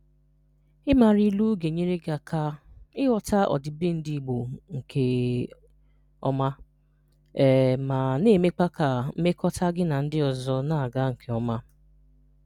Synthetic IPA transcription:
ɪ˦ma˨ɾi˦lu˦ɡe˨ɲe˦ɾe˦ɡa˨kʰa˨ɪ˦wɔ˦ta˦ʔɔ̰˨dɪ˨bɪ˦n̩˦di˦˨ɡ͡bo˨ŋ̩˨kʰe˨ | ɔ̰˦ma˦ | ɛ˨ma˨ne˦˨me˦k͡pa˦ka˨m̩˦me˦kɔ˦ta˦ɡɪ˦na˨n̩˦dɪ˦ɔ˨zɔ˦na˦a˨ɡa˦ŋ̩˨kʰe˨ɔ˦ma˦

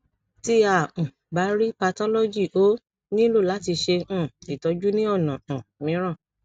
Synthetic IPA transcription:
ti˧ã˦˨ | ba˨˦ɾi˦pa˧tɔ˦lɔ˦d͡ʒi˦˨ʔo˨˦ | nĩ˦lo˦˨la˨˦ti˧ʃẽ˧˦˨i˨tɔ˨˦d͡ʒu˦nĩ˦ɔ˦˨nã˨mĩ˨˦ɾ̃ã˦˨

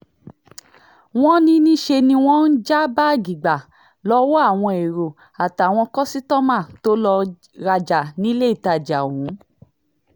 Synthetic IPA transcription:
w̃ɔ̃˦nĩ˧˦nĩ˦ʃe˧nĩ˧w̃ɔ̃˦n̩˦d͡ʒa˦ba˦˨ɡi˨ɡ͡ba˨ | lɔ˧˦wo˦a˦˨w̃ɔ̃˧e˨ɾo˨ | a˨ta˨w̃ɔ̃˧kɔ˦si˦tɔ˦mã˦˨to˦lɔ˧ | ɾa˧d͡ʒa˨nĩ˦le˦i˦˨ta˧˨d͡ʒa˨wũ˨˦

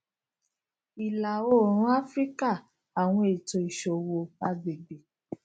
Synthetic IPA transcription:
i˨la˨o˦˨ɾ̃ũ˨˦a˦fɾi˦ka˦˨ | a˨w̃ɔ̃˧e˨to˨˧i˨ʃo˨wo˧ba˦ɡ͡be˨ɡ͡be˨

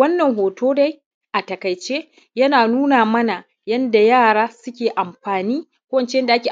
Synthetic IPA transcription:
ɐ˦nːɐ˨ŋɦoː˨tʰoː˦da˦j | ʔa˨tɐ˨kɐ˨jt͡ʃeː˦ | jɐ˦naː˨nuː˦naː˨mɐ˦na˨ | jɐ˦nda˨jaː˦˨ɽaː˦sʊ˦kʲeː˨ʔa˨mɸaː˨niː˦ | kʷoː˦wɐ˨nt͡ʃe˦jɐ˦nda˨ʔa˦kʲeː˨

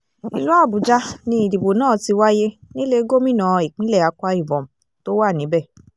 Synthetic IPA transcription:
ḭ˨lu˨˦a˦˨bu˨d͡ʒa˦nĩ˧i˨di˨bo˨nãː˦˨ti˧wa˦je˦nĩ˦le˦˧˦ɡo˦mĩ˦nãː˨˦i˨k͡pĩ˨˦lɛ˦˨a˧kʷa˧˦i˦˨bɔ̃˨m̩˨ | to˦wa˦˨nĩ˨˦bɛ˦˨

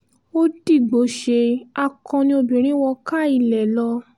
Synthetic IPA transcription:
o˦di˦˨ɡ͡bo˨˦ʃe˧a˧kʰɔ̃˧nĩ˧o˧bĩ˨ɾ̃ĩ˨˦wɔ˧ka˦˨i˦˨lɛ˨lɔ˧

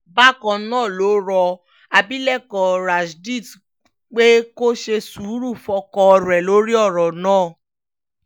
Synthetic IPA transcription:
ba˦kɔ̃˧nãː˦˨lo˨˦ɾɔ˧ | a˨bi˦lɛ˦˨kɔ˨ɾa˨ʃdi˦˨t | k͡pe˦ko˦ʃe˧su˨˦ɾu˦˨fɔ˧˦kɔ˧ɔ˧ɾɛ˨lo˨˦ɾi˦ɔ˦˨ɾɔ˨nãː˦˨

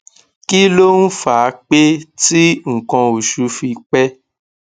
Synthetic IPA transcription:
ki˦lo˦n̩˦fa˨˦k͡pe˦ti˦ŋ̩˨kɔ̃˧o˨ʃu˨˦fi˧k͡pɛ˦

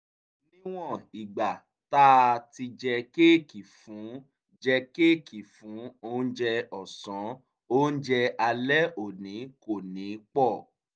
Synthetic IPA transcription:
nĩ˦w̃ɔ̃˦˨i˨ɡ͡ba˨ | ta˦˧ti˧d͡ʒɛ˧ke˦˨ki˨fũ˨˦ | d͡ʒɛ˧ke˦˨ki˨fũ˨˦o˦n̩˦d͡ʒɛ˧ɔ˨sɔ̃˨˦ | o˦n̩˦d͡ʒɛ˧a˧lɛ˦o˨nĩ˨˦ko˨nĩ˨˦k͡pɔ˦˨

